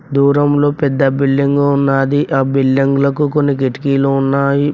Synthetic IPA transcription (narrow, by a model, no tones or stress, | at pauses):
d̪uːɾɐmlo̞ːpɛd̪ːɐbilːiŋɡuunːaːd̪iʔaːbilːiŋɡulɐkuko̞nːikeʈi̥kiːloːunːaːji